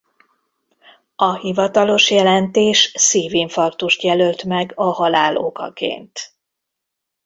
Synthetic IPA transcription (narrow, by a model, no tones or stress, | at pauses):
ɒhivɒt̪ɒlo̞ʃjɛlɛnt̪eːʃsiːviɱfɒrt̪uʃt̪jɛlølt̪mɛɡɒhɒlaːlʔo̞̰kɒ̰kḛːnt̪